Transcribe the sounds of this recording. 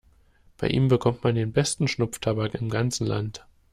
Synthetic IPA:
b̥aɪʔiːmbəkʰɔmtmandeːnbɛstn̩ʃnʊp͡ftʰabakɪmɡant͡sn̩la̰nt

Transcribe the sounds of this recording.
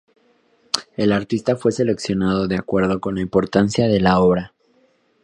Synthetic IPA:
e̞laɾt̪ist̪afwe̞se̞le̞ksjo̞naðo̞ðeakwe̞ɾð̞o̞ko̞nlaimpo̞ɾt̪ansjaðe̞lao̞βɾa

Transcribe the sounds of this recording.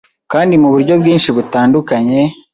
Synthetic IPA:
kaːndimuβuɾɟo̞bɡiːnʃiβutaːndukaɲe̞

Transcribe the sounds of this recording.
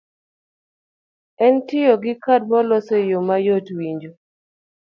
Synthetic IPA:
ɛntɪjoɡɪkad̚mɔlɔsejomajotwiɲd͡ʒo

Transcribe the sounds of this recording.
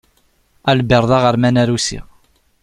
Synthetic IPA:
ælbiɾˤðˤɑʁəɾmænæɾusḭʁ

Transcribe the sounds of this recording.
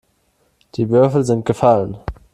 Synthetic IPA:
d̥iːvʏɐfl̩zɪnt̚ɡ̥əfalən

